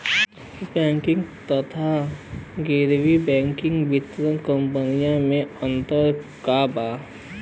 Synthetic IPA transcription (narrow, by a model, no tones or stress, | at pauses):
bɛ̃ːŋkɪ̃ŋɡt̪ət̪ʰaɡeɾʋibɛ̃ːŋkɪ̃ŋɡʋɪt̪ɾə̃kə̃mpənijãmẽə̃nt̪əɾkabaː